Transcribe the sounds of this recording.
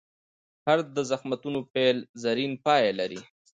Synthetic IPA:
haɾd̪̚d̪əzaxmat̪unopelzaɾinpɑːjalaɾi

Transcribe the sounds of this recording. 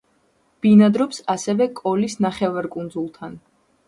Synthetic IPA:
b̥inad̪ɾɔpsasɛvɛkʼɔlisnaχɛvaɾkʼund̪zulˠt̪ʰan

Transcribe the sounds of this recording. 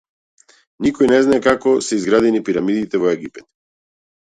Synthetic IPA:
nikɔjnɛznaɛkakɔsɛizɡɾad̪ɛnipiɾamid̪it̪ɛvɔɛɡipɛt̪

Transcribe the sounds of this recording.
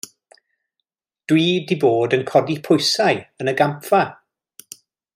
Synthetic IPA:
d̥wiːdiboːdənkʰɔdipʰʊjsajənəɡampfa

